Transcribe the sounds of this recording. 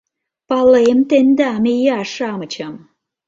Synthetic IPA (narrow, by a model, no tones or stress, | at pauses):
pɑlemt̪end̪ɑmejɑʃɑmɤt͡ɕɑm